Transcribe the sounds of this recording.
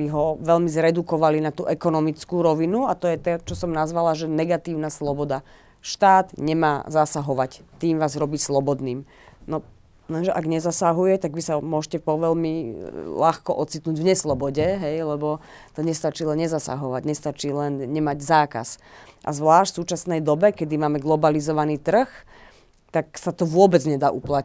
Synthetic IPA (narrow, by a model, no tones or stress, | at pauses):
iɦɔʋɛlmizɾɛd̪ukɔʋalinat̪ṵːʔɛkɔnɔmit͡skuːɾɔʋinuat̪ɔjɛt̪ɛt͡ʃɔsɔmnazʋalaʒɛnɛɡat̪iːʊnaslɔbɔd̪a | ʃt̪aːd̪ɲɛmaːzasaɦɔʋact̪iːmʋaːzɾɔbiːslɔbɔd̪niːm | nɔ | lɛnʒɛʔaɡɲɛzasaɦujɛt̪aɡʋisamʊɔʒcɛpɔʋɛlmilaxkɔʔɔt͡sit̪nuːɟvɲɛslɔbɔɟɛɦɛjlɛbɔ | t̪ɔɲɛst̪at͡ʃiːlɛnɲɛzasa̰ɦɔʋaɟɲɛst̪at͡ʃiːlɛnɲɛmaɟzaːka̰sʔa̰zʋlaːʃcsuːt͡ʃasnɛjd̪ɔbɛkɛd̪imaːmɛɡlɔbalizɔʋaniːt̪r̩x | t̪aksat̪ɔʋʊɔbɛd͡zɲɛd̪aːʔupla